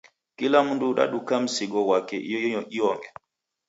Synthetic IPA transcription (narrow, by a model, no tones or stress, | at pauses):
kilamunduɗa̰ɗukam̩sɪɡɔwakɛʔjɲɔʔiɔŋɡɛ